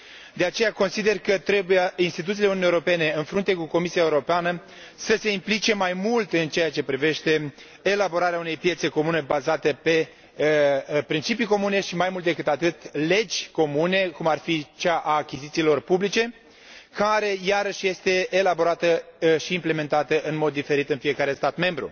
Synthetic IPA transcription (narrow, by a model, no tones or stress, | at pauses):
d̪e̞at͡ʃe̞jako̞nsid̪e̞rkət̪ɾe̞bujeinst̪it̪ut̪sileununieoɾo̞pe̞ne̞ɨnfɾunt̪e̞kuko̞misijaeuɾo̞peanə | səse̞implit͡ʃe̞majmult̪ɨnt͡ʃejat͡ʃe̞pɾive̞ʃt̪e̞ː | labo̞ɾaɾeaune̞jpje̞t̪se̞ko̞mune̞bazat̪epe̞ | pɾint͡ʃipiko̞mune̞ʃimajmult̪d̪ekɨt̪at̪ɨt̪le̞d͡ʒʲko̞mune̞kumarfit͡ʃaʔaːkʲizit̪siːlo̞rpublit͡ʃe̞ | kaɾe̞jaɾəʃje̞st̪e̞ːlabo̞ɾat̪əʃiːmple̞me̞nt̪at̪əʔɨnmo̞d̪ːife̞ɾit̪ɨnfije̞kaɾe̞st̪at̪me̞mbɾṵ